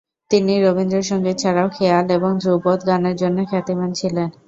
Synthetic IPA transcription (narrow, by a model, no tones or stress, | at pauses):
t̪iniɾobind̪ɾeɾʃɔŋɡet͡ɕʰaɽaokʰealeboŋd̪ʱɾupɔd̪ɡaneɾd͡ʑonːokʰɛt̪emant͡ɕʰilen